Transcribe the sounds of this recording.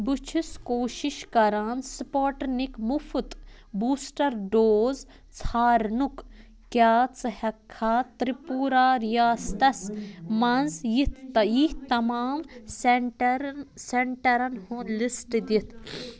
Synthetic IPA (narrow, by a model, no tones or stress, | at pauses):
but͡ʃʰuskoːʃiʃkɐɾaːnspoːʈnikmufut̪buːsʈɐɾɖoːz | t͡sʰaːɾnuk | kʲjaːt͡sɨhɐkʰːaːt̪ɾipuːɾaːɾijaːst̪ɐsmɐnzjit̪ʰːɐjiht̪ɐmaːmsʈɾseɳʈɐɾɐnhulisʈd̪it̪ʰ